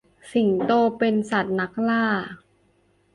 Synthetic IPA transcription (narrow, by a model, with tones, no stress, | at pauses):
si˨˩ŋt̪oː˧pe˧nsa˨˩t̪̚na˦˥k̚laː˥˩